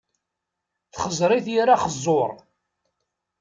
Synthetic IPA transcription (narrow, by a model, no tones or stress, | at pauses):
θχəzˤɾˤiθjiɾaχəzˤːoɾˤ